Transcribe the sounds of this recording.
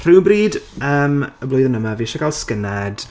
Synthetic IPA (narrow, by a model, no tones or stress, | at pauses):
r̥ɪwbriːdəːməblˠʊɨðənəmaviːʃakʰalˠskənad̥